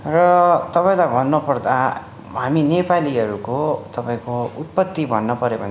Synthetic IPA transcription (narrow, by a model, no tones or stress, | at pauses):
rʌt̪ʌpaĩlajbʱʌnːʌpʌrd̪a | ɦaminepaliʌɾukot̪ʌpaĩkout̪̚pʌt̪ːibʱʌnːʌpʌɾobʱʌ̰n